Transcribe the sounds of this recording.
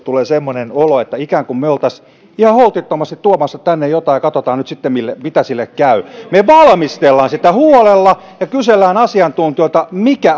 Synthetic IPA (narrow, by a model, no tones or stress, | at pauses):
t̪uleːsemːonenoloet̪ːæikæːŋkummeolt̪ɑs | ihɑholt̪it̪ːomɑst̪it̪t̪uomɑsːɑtt̪ænːejjot̪ɑːjɑkɑt̪ot̪ɑːnnyt̪sit̪ːemilːemit̪æsilːekkæymeʋɑlmist̪elːɑːnsit̪æhuolelːɑ | jɑkyselːæːnɑsiɑnt̪unt̪ioit̪ɑmikæ